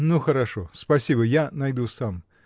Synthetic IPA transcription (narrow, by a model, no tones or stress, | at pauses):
nuxɐɾaʂɔspɐsʲibəjanajd̪usam